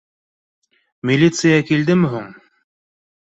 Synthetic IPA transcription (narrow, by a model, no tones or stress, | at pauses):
mʲilʲit̪sɨjakild̪ɘmɘɦuɴ